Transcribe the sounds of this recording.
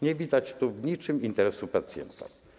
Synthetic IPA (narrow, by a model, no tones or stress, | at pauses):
ɲɛvʲid̪at͡ɕt̪ɔvɲit͡ʂɘmint̪ɛɾɛsupat̪sʲjɛ̰nt̪a̰